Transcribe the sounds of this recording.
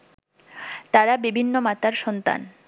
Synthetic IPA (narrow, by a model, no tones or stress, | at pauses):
t̪aɾabibʱinːomat̪aɾʃɔnt̪a̰n